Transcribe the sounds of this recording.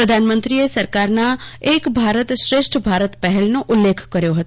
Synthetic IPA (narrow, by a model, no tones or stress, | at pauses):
pɾəd̪ʱaːnmə̃nt̪ɾiesɐɾkaːɾnaeːkbʱaːɾət̪ʃɾeːʃʈʰbʱaːɾət̪pɛɦɛlnoʔʊlːeːkʰkɐɾjoɦɐt̪o